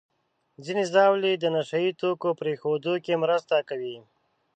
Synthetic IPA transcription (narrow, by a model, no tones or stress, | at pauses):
zinezɑwlid̪ənaʃait̪okopɾexod̪okemɾəst̪akawi